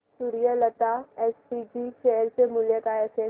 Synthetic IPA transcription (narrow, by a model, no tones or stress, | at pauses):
suɾijələt̪aɛːspid͡ʒiʃeɦɾsemʊljəkaɛːseː